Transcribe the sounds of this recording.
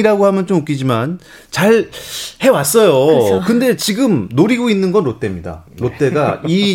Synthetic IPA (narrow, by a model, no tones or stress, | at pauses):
iɾaɡohamjʌnt͡ɕomɯk͈id͡ʑiman | t͡ɕaɭhe̞was͈ʌjokɯnde̞t͡ɕiɡɯmnoɾiɡoinːɯnɡʌnɾot͈e̞mɲida̰ɾot͈e̞ɡai